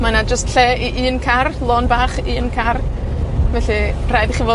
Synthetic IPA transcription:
manad͡ʒəstɬɛːiʔɨːnkʰarlˠɔnbaːχiːnkʰar | vɛɬirajðχivoː

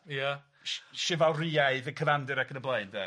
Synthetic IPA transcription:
ja | ʃʃɪvalˠriːaɨðəkʰəvandɪɾakʰənəblˠəɨnde

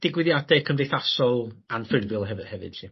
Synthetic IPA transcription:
d̥ɪɡwɪðjadɛkʰəmdejθasɔlˠanfɪdvɪlˠɦɛhɛvɨ̰d̥tʰi

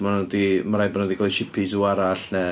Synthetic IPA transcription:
manɔdimaɾajbɔnɔdiɡɔʃɪpʰɪsuaɾaɬnɛ

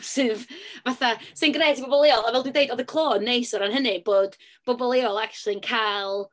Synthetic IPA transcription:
sɨːðvaθasɨnɡrnejtʰibɔbɔlˠɪɔlˠavɛlˠdwndeɨdɔðəkʰlˠoːnːejsɔɾanɦənɨb̥oːd̥ | b̥ɔbɔlˠɪɔlˠakt͡ʃwlˠinkʰalˠ

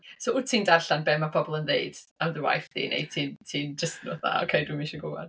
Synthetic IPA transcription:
soʊ̥tʰiːndarɬanbɛmːapʰɔbɔlˠənðeɨd̥amðəwa̰jfdḭːnḛtʰiːntʰiːnd͡ʒəstnɔθa̰ɔ̰kʰejdumeʃɔɡowa̰n

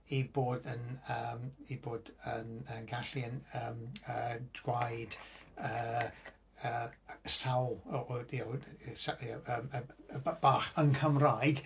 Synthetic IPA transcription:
iboːdənəːmiboːdənənɡaɬiənəːməːdɡwajdə | əːsawlˠəasajaəməb̥aːχənkʰəmrajɡ̥

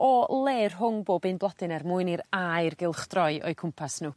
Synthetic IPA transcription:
ɔlˠeːrɦʊŋboːbɨnblˠɔdɨnɛrmuːɨniɾajrɡɪlˠχd̥rɔɨʔɔ̰ɨkʰʊmpʰasnuː

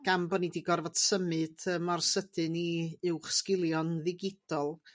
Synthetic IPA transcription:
ɡ̥ambɔnidiɡɔrvɔd̥səmɨd̥əmɔrsəd̥ɨniɨwχskɪlˠjɔnðɪɡɪd̥ɔlˠ

